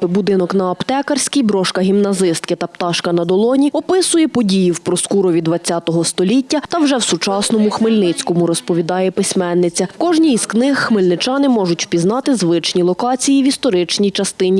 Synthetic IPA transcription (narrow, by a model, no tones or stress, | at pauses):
bʊd̪ɪnɔknɐːpt̪ɛkɐrʲsʲkɪjbɾɔʃkɐɦʲimnɐzɪst̪kɪt̪ɐpt̪ɑʃkɐnɐd̪ɔlˠɔnʲiɔpɪsʊjɛpɔdʲijiwpɾɔskuɾɔʋʲid̪ʋɐt͡sʲːɑt̪ɔɦɔst̪ɔlʲitʲːɐt̪ɐwʒɛwsʊt͡ʃɑsnɔmʊxmɪlʲnɪt͡sʲkɔmʊɾɔspɔʋʲid̪ɑjɛpɪsʲmɛnːɪt͡sʲɐkɔʒnʲizknɪxxmɪlʲnɪt͡ʃɑnɪmɔʒʊtʲpʲizn̪ɑt̪ɪzʋɪt͡ʃnʲilˠɔkɑt͡sʲijiʋʲist̪ɔɾɪt͡ʃnʲijt͡ʃɐst̪ɪnʲi